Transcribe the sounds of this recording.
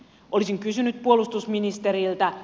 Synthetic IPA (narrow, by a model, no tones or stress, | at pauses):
ʔo̞lisiŋkysynyt̪̚puo̞lust̪usminist̪eɾilt̪æ